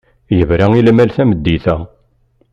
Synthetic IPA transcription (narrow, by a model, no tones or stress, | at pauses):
jəvɾæilmælθæməd̪ːiθæ